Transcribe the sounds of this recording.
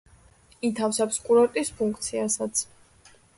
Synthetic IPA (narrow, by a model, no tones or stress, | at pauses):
it̪ʰafsapskʼuɾɔɾt̪ʼispʰuŋkʰt̪sʰiasat̪sʰ